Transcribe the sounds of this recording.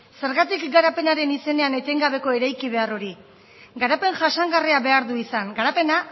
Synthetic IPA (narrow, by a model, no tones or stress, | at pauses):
se̞ɾɣat̪ikɡaɾape̞naɾe̞nise̞ne̞ane̞t̪e̞ŋɡaβ̞e̞ko̞e̞ɾajkiβe̞aro̞ɾi | ɡaɾape̞ŋʝasaŋɡariaβe̞aɾðuisaŋɡaɾape̞na